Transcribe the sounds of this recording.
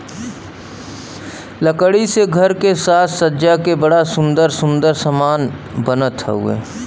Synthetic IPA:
ləkəɽiseɡʱəɾkesaːt̪ʰsəːd͡ʒakebəɽasʊ̃nd̪əɾsʊ̃nd̪əɾsəmaːn | bənət̪ɦɛ̰ɦṵḛː

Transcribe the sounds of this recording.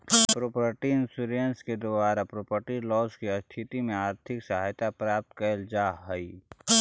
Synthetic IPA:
pɾoːpɾəʈiɪnsuɾənsked̪ʊbaːɾapɾoːpəɾʈilɔːskiəst̪ʰɪt̪imẽaːɾt̪ʰɪksɐɦaːjt̪apɾaːp̚t̪kəld͡ʒaːɦəi

